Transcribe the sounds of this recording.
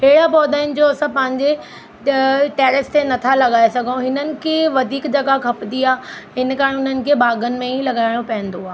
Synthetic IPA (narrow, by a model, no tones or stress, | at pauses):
ɦeːɽapɔːd̪aːɪnɪ̆d͡ʑoɐsə̃pɐ̃ɦɪ̃ɲd͡ʑe | ʈɛːɾɪst̪enɐt̪ʰalɐɠaːesɐɡʱõɦɪnənɪ̆kʰeʋɐd̪ʱiːkd͡ʑɐɡakʰɐpd̪iaːɦɪnkaːɾeʊn̤ənɪ̆kʰebaːɡənɪ̆mẽĩlɐɠaːɪɽ̃opɐ̃ɦɪ̃nd̪oaː